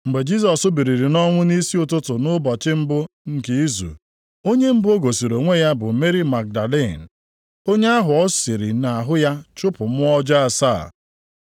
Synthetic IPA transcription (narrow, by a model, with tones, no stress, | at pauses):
m̩˨ɡ͡be˨d͡ʒi˦s̬ɔ˨sʊ˦bi˨ɾi˨ɾi˨nɔ˦ŋʷʊ˦ni˦si˦ʊ˨tʊ˦tʊ˨nʊ˦bɔ˨t͡ʃɪ˦m̩˦bʊ˦ | ŋ̩˨ke˦i˦zṵ˨ | o˦ɲe˦m̩˦bʊ˦o˦ɡo˨si˨ɾo˨ŋʷe˦ja˦bʊ˨me˦ɾi˦ma˨k̚da˨le˦˨n˨ | o˦ɲe˦a˦ɦʊ˨ɔ˦si˨ɾḭ˨na˨a˨ɦʊ˦ja˦t͡ʃʊ˦pʊ˨m̩˦ɔ˦d͡ʒa˦a˨sa̰ː˦˨